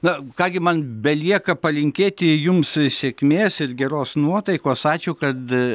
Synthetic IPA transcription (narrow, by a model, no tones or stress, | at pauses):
nɐkɑːɡʲɪmɐnbʲɛlʲiɛkɐpɐlʲɪŋʲkʲeːt̪ʲɪjʊmssʲeːkmʲeːsɪrɡʲɛɾoːsnuɔt̪ɐɪkoːsɑːt͡ʃʲʊːkɐt̪